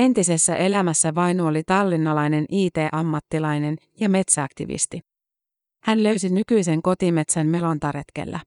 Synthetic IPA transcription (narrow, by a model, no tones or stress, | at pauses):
e̞nt̪ise̞sːæʔe̞læmæsːæʋɑjnuolit̪ɑlːinːɑlɑjne̞nʔiːt̪e̞ːʔɑmːɑt̪ːilɑjne̞njɑme̞t̪sæɑkt̪ḭʋḭst̪i | hænlø̞ɥsinykyjse̞ŋko̞t̪ime̞t̪sænme̞lo̞nt̪ɑɾe̞t̪kḛlːæ̰